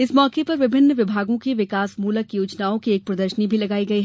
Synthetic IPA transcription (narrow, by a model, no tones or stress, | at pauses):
ɪsmɔːkepɐɾʋɪbʱɪnːʋɪbʱaːɡõkeʋɪkaːsmuːləkjuːt͡ʃnaːõkieːk̚pɾɐd̪əɾʃənibʱilɐɡaːiɡɐiɦɛ